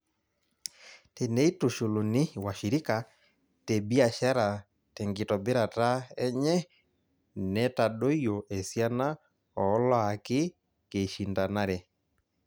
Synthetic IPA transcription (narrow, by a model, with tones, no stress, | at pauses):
te˨ne˦i˦tu˨ʃo˨lo˨nɪ˦wa˨ʃi˨ɾi˦ka˨ | te˨bi˦a˨ʃa˦ɾa˨ | tɛ˨ŋɡɪ˨tɔ˨be˦ɾa˨ta˦ɛ˦ɲɛ˦ | nɛ˦ta˨ɗo˦jo˨ʔe˨sja˦na˦ | ɔ˨˦lɔ˦a˨kɪ˦ | ke˨ʃi˨nda˨na˦ɾɛ˨